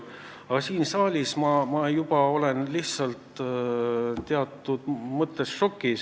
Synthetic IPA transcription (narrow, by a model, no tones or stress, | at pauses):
ɑsiːnsɑːlʲismɑmɑjubɑo̞le̞nliht̪sɑlt̪ | t̪eɑt̪ːˑud̪̥mɤt̪ːˑesʃo̞kːˑis